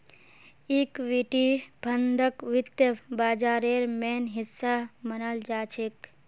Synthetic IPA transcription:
iːkʋiʈibʱɐnd̪ʱəkʋɪt̪jəbaːd͡ʒaːɾeːɾmeːnɦɪsːamɐnəld͡ʒaːt͡ʃʰek

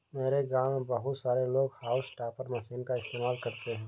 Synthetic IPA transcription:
meːɾeɡaːmebɐɦʊt̪saːɾeloːɡhaːʊsʈaːpəɾmɐsiːnkaɪst̪eːmaːlkɐɾt̪eɦɛ̃ː

